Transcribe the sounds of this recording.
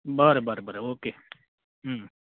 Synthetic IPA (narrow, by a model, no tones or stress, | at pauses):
baːɾbaːɾbaɾoːkeː | ɦː